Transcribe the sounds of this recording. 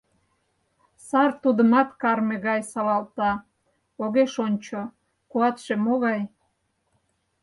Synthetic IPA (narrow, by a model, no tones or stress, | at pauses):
sɑrt̪ud̪əmɑt̪kɑrmeɣɑjsɑlɑlt̪ɑ | oɣeʃonʲt͡ɕo | kuɑt̪ʃemoɣɑj